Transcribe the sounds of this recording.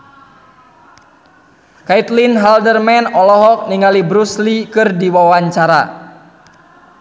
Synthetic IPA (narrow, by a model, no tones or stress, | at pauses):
kait̪linɦaldərmɛnɔlɔɦɔk̚niŋalibɾuslikɨrdiwawaɲt͡ʃaɾa̰